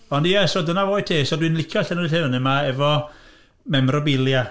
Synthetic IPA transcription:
ɔndijɛsɔdənavoːj̚tʰeːsɔdwinlɪkʰjɔɬɛnuɨɬɨwnɪmaɛvɔ | mɛmrɔbɪlˠja

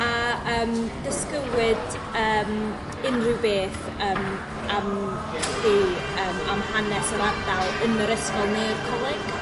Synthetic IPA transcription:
aəːmdəskəwɪd | əːm | ɪnrɪwbeːθ | əːm | am | θiːəːmamhanɛsəɾadalˠənəɾəskɔlˠmɛːrkʰalˠaɡ̥

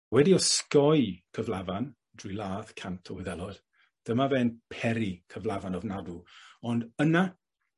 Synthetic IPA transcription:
wɛdiɔskɔjkʰəvlˠavan | d̥rilˠaːðkʰantʰɔwɪðɛlˠɔd | d̥əmavɛnpʰɛɾikʰəvlˠavanɔvnaduɔndəna

